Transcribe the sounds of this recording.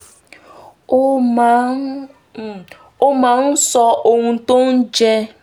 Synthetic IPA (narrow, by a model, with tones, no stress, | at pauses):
o˦ma˨˦˨ | o˦ma˨n̩˦sɔ˦ʔo˨ŋʷu˨˦to˦n̩˦d͡ʒe˦